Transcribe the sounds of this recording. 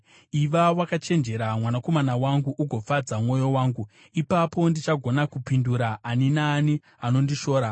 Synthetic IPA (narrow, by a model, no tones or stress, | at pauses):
iʋawakat͡ʃe̞nd͡ʒe̞ɾamwanako̞manawaŋɡuʔuɡʱo̞fad͡zamwo̞jo̞waːŋɡu | ipapo̞ndit͡ʃaɡʱo̞nakupinduɾaːninaːni | ano̞ndiʃo̞ːɾa